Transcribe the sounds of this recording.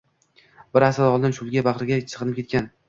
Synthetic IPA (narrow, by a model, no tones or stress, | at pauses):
bɪɾasɪdɒlˠd̪ɪnʃʊlɡʲabaqɾɪɡʲat͡ʃʰɨ̥qɨnɪpkʲʰe̞t̪kʲan